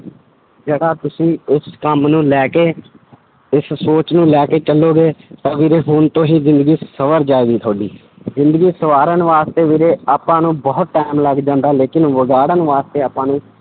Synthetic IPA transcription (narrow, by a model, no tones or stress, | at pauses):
d͡ʒəɡaːt̪ʊsĩːʊskəmnũːlɛːkeː | ɪsːoːt͡ʃnũːlɛːkeːt͡ʃəlːoːɡeːt̪ãːʋiːɾeːɦʊnt̪õːɦiːzɪ̃nd̪əɡiːsəʋəɾd͡ʒaːeːɡiːt̪ʰoːɖiː | zɪ̃nd̪əɡiːsəʋaːɾənʋaːst̪eːʋeːɾeːaːpãːnũːbɔːt̪̚ʈaːmləɡd͡ʒãːnd̪aːleːkɪnʋəɡaːɽənʋaːst̪eːaːpãːnũː